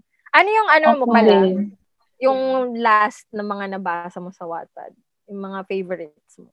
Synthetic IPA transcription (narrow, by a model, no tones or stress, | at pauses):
ʔɐnojʊŋʔɐnomopɐl | jʊŋlast̪̚nɐmɐŋanɐbaːsɐmosɐwa̰ːt̪ɐ̰d̪̚ | jʊŋmɐŋafejvɔɹɪt̪̚smo